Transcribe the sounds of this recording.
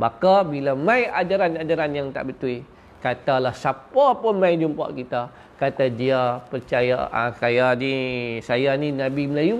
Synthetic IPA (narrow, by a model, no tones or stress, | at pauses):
bakabilamãjad͡ʒaɾanad͡ʒaɾanjaŋt̪a̰ʔbət̪ui | kat̪alahsapaapəmajd͡ʒumpa̰ʔkit̪a | kat̪adiapərt͡ʃaja̰a̰kajanisajaninabiməlaju